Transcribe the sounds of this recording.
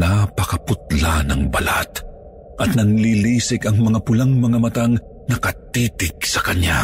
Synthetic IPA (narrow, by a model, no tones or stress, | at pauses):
napɐkɐpʊt̪̚lanɐŋbɐ̰la̰t̪ | ʔɐt̪̚nɐŋliliːsɪkɐŋmɐŋapʊlaŋmɐŋamɐt̪aŋ | nɐkɐt̪iːt̪ɪɡsɐkɐɲa